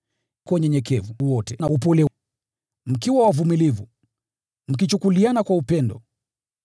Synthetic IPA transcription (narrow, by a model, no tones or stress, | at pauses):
kwɔɲɛɲɛkɛvuwɔtɛnaupɔlɛ | m̩kiwawavumilivu | m̩k̬it͡ʃukulianakwaupɛndɔ̰